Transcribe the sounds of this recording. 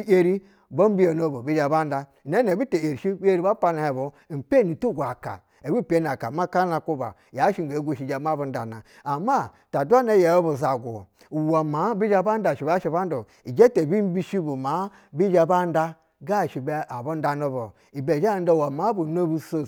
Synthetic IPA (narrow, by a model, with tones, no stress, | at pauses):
i˦e˦ɾi˦ | bo˦m˦bi˦jo˨no˦bo˨bi˦d͡ʒa˨ba˦n˦da˦˨ne˦e˨bi˦te˨e˨ɾi˨ʃi˦bi˦e˦ɾi˦ba˦pa˦na˨he˨bu˨m̩˨pe˦˨ni˨tu˦˨ɡʷa˨ka̰˨ | e˨wi˦˨pe˦na˨ka˨ma˦ka˦na˨ku˦ba̰˨ja˨˦ʃi˦ŋ˨a˨˦ɡu˦˨ʃi˨d͡ʒa˨˦ma˦˨bu˦n̩˦da̰˨na˨ | a˨ma˦ | ta˨dʷa˦na˨ja˨o˦bu˨za˨ɡʷṵ˨ | u˨wa˨ma˨˦bi˦d͡ʒa˦ba˦n˦da˨ʃi˨ba˦ʃi˦ba˦n˦du˨ | i˨d͡ʒe˦te˨bi˦m˦bi˦ʃi˦bu˨ma˨˦ | bi˦d͡ʒa˨ba˦n˦da˦ | ɡa˦˨ʃi˨ba˦ʔa˨bu˦n˦da˨no˦bo˨ | i˨be˨d͡ʒa˦˨n˦da˦˨wa˨ma˨˦bu˨no˦bu˦so˦